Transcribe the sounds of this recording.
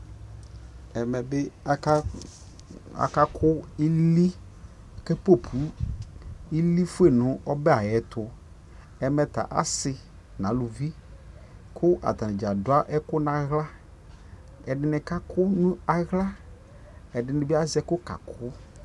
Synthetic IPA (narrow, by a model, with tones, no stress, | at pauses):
ɛ˨mɛ˨bɪ˦ | a̰˨ka˦kʰʊ˦i˦li˦˨ | kɛ˦po˦pʰu˨˦ | i˦li˦fʊ˦e˦˨nʊ̃˨ʔɔ˦bɛ˦a˨jɛ˨tʰʊ˨ | ɛ˨mɛ˨t̪a̰˨ʔa̰˨sɪ˨ | nã˨˦lu˨vi˦ | kʰʊ˦ʔa̰˨t̪a˨nɪ˨d͡ʒa˨dʊ˨˦a˦ʔɛ˦kʊ˦nã˨ɣla˦ | ɛ˨dɪ˨nɛ˨ka˦kʰʊ˦nʊ̃˦a˨ɣla˦ | ɛ˨dɪ˨nɪ̃˨bɪ˦a˦zɛ˦kʊ˦ka̰˨kʰʊ˦